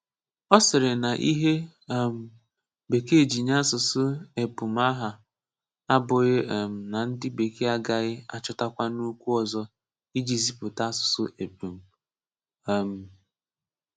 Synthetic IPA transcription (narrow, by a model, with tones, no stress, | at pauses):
ɔ˦sɪ˨ɾɪ˨na˨ʔi˦ɦe˦ | m̩˨ | be˨ke˦˨d͡ʒi˨ɲa˦sʊ˨sʊ˦e˨pu˨m̩˦a˦ɦa˨ | a˦bʊ˨ɣɪ˦˨m̩˨na˨n̩˦dɪ˦be˨ke˦a˦ɡa˨ɣɪ˦a̰˦t͡ʃʊ˦ta˦kʷa˦nu˦kʷu˦ɔ˨zɔ˦ | i˦d͡ʒi˨zi˦pʊ˨ta˦sʊ̥˨sʊ̰˦ʔe˨pu˨m̩˨ | a˨m̩˨